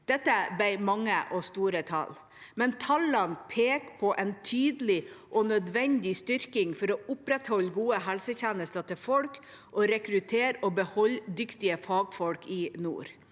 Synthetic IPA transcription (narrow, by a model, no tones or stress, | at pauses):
d̪̥ɛt̪ːəbæɪmɑŋːəʔɔst̪uːɾət̪ʰɑ̰l | mɛnt̪ʰɑlːənpʰeːkpʰɔʔɛnt̪ʰyːd̪əlɪʔɔnœd̪ʋɛnd̪ɪst̪ʏɾkɪŋfɔɾɔːʊpɾɛt̪hɔlɡuːəɦɛlsəçɛːnəst̪ɑt̪ʰɪlfɔlk | ʔɔɾɛkɾʉt̪ʰeːɾɔːbəhɔld̪ʏkt̪ɪəfɑːɡfɔlkɪnṵːɾ